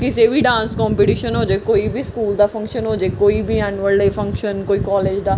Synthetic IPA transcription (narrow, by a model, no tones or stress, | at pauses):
kɪseːbiːɖãːnskɔːmpiːʈiːʃənɦoːd͡ʒeːkoːibʱiːskuːld̪aːpʰə̃ŋkʃənɦoːd͡ʒeːkoːiːbiːɛːnuəld̪eːpʰə̃ŋkʃənkoːiːkɔːleːd͡ʒd̪aː